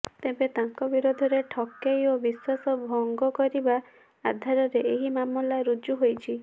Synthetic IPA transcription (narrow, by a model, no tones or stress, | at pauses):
t̪ebet̪aŋkɔbiɾod̪ʱɔɾeʈʰɔkːejobiswasɔbʱɔŋɡɔkɔɾiba | ad̪ʱaɾɔɾeeɦimamɔlaɾud͡ʒuɦojt͡ʃʰi